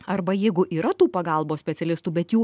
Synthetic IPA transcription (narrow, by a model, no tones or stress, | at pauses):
ɐɾbɐjɛɪɡʊʔiːɾɐt̪uːpɐɡɐˑlˠboːsʲpʲɛt̪ʲɛlʲɪst̪uːbʲɛt̪juː